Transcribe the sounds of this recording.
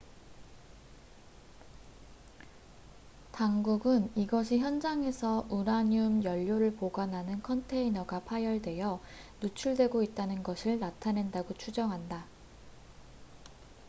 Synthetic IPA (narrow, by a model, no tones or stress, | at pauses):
taŋɡuɡɯniɡʌɕʰiçjʌnd͡ʑaŋe̞sʰʌʔuɾaɲumjʌʎːoɾɯɭpoɡanɦanɯnkʰʌntʰe̞inʌɡapʰajʌɭdwe̞jʌ | nut͡ɕʰuɭdwe̞ɡoit̚t͈anɯnɡʌsʰɯɭnatʰane̞ndaɡot͡ɕʰud͡ʑʌŋɦanda